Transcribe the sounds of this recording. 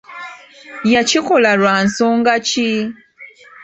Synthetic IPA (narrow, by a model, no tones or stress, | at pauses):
jacikolaɾwaːnsoːŋɡaci